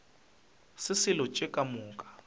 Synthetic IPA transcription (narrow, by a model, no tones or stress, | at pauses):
sɪsɪlɔt͡ʃʼɛkʼamuːkʼḁ